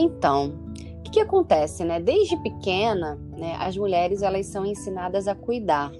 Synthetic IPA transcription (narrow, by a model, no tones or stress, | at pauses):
ẽt̪ɐ̃w̃ | kɪ̥kɪakõnt̪ɛsɪnɛd̪ejzd͡ʒɪpɪkẽnɐ | nɛʔɐ̰zmuʎɛɾɪzɛlɐzsɐ̃w̃ẽsinad̪ɐzɐkujd̪aɾ